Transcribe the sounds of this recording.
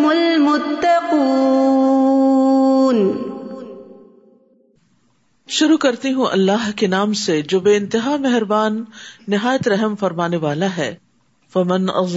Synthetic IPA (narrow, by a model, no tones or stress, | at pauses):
mʊlmʊt̪ːɐqu | n | ʃʊɾukɐɾt̪iɦũʔɐ̰lːaːɦkenaːmsed͡ʒoːbeːɪ̃nt̪ɪɦaːmɛɦɾbaːnːɪɦaːjət̪ɾɛɦəmfɐɾmaːneʋaːlaɦɛː | fɐmɐnʔɐ̰